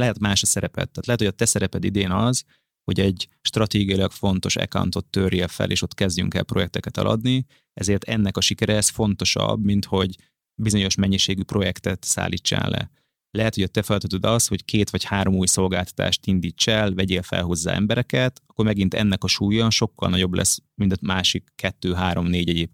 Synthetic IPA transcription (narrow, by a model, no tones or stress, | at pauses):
lɛɦɛt̪maːʃɒsɛɾɛpɛ̰t̪ːaːt̪lɛɦɛt̪hojɒt̪ɛsɛɾɛpɛd̪id̪eːnɒz | hoɟɛɟʃt̪rɒt̪eːɡiɒjilɒkfo̞nt̪o̞ʃɛ̰ka̰wnt̪o̞t̪ːøreːlfɛ̰lʔeːʃo̞t̪kɛzɟy̰ŋkɛ̰lpɾro̞jɛk̚t̪ɛkɛt̪ɒ̰lʔɒ̰d̪ni | ɛzeːrt̪ɛnːɛkɒʃikɛɾɛɛsfo̞nt̪o̞ʃɒ̰bmint̪ho̞ɟ | bizo̞ɲo̞ʃmɛɲːiʃeːɡypro̞jɛkt̪ɛt̪sa̰ːliːt͡ʃːa̰ːnlʔɛ̰ | lɛɦɛt̪hojɒt̪ɛfɛlt̪øt̪ød̪ɒsho̞ckʰeːt̪ʋɒchaːɾo̞muːjso̞lɡaːlt̪ɒ̥t̪ʰa̰ːʃt̪ind̪iːt͡ʃːɛlvɛɟeːlfɛ̰lɦo̞zːa̰ːɛ̰mbɛɾɛkɛt̪ɒ̥kːormɛɡint̪ɛ̰nːɛkɒʃuːjɒʃo̞kːɒ̰lnɒɟo̞blʔɛ̰smint̪maːʃikːɛt̪ːøːɦaːɾo̞mneːɟɛɟeːp